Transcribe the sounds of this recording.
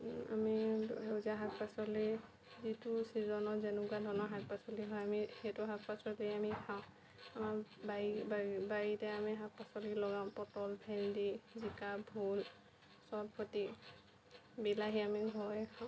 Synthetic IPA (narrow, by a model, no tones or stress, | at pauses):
a̰miɦewzaɦak̚pasɔli | zitusizɔnɔzɛnukwadʱɔnɔɦak̚pasɔliɦɔjamixetʊɦak̚pasɔliamikʰaʊ̃ | amabaibabaitɛamiɦak̚pasɔlilɔɡãʊ̃pɔtɔlbʰʱɛndizikabʱul | sabkʰɔti | bilaɦiamiɦɔjkʰaʊ̃